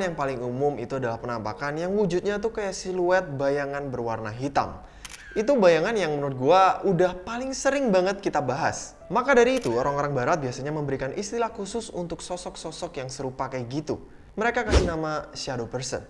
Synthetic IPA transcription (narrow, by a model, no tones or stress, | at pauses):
njaŋpalɪŋumʊmḭt̪uadalahpənampa̰kanjaŋwud͡ʒut̪̚ɲat̪uhkajaʔsiluɛt̪̚bajaŋanbərwarnaɦit̪a̰m | it̪̬ubajaŋanjaŋmənʊt̪̚ɡuaudahpalɪŋsəɾɪŋbaŋət̪̚kit̪abaɦa̰s | makadaɾiːt̪uoɾaŋoɾaŋbaɾat̪̚biasaɲaməmbəɾikanʔist̪ilahkusʊsunt̪ʊksɔsɔksɔsɔkjaŋsəɾupakajɡit̪u | məɾekakasinamaʃadopərsə̰n